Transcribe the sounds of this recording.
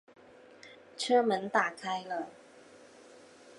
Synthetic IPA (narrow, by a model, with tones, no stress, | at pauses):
ʈ͡ʂʰɤ˥mə˨˥nt̪a˨˩kʰa˥ɪlə˨